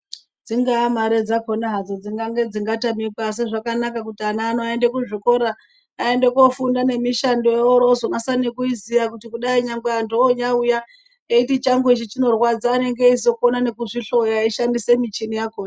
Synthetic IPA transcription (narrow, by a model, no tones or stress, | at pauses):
d͡ziŋɡaːmaɾed͡zakonaɦad͡zod͡ziŋɡaŋɡe̞d͡ziŋɡatamikas̬eʐakanakak̬utianaːnoendekuʐiko̞ɾaː | e̞nde̞kofundane̞miʃandojeoɾozonasanekuizijakutikuɗaiɲaŋɡeandoːɲauja | eitit͡ʃaŋɡuit͡ʃit͡ʃino̞rwad͡zaːne̞ŋɡeis̬o̞konane̞kuʐiɬo̞jaiʃandise̞mit͡ʃinijakoːna